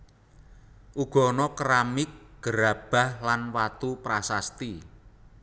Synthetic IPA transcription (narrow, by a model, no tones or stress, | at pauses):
ʔuɡ̥ɔ̤nɔkɾamɪk̚ɡ̥əɾa̤b̥a̤hlanwat̪upɾasast̪i